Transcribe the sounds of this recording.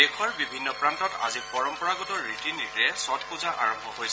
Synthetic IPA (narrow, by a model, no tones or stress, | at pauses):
dekʰɔɹbibʱinːɔpɹantɔta̰zipɔɹɔmpɔɹaɡɔtɔɹiʈiniɹɛsɔtʰkuzaʔaɹɔmbʱɔɦojsɛ